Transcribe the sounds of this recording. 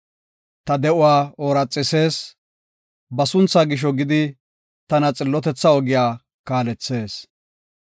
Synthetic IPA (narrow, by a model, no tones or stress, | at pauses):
t̪ɐd̪ɛʊwaːoːɾɐt͡sʼːɪse̞ːs | bɐsʊnt͡sːaːɡɪʃ̬ɔɡɪd̪ɪ | t̪ɐnɐt͡sʼɪlːɔt̪ɛt͡sːɐɔɡɪjaː | kaːlɛt͡sːe̞ːs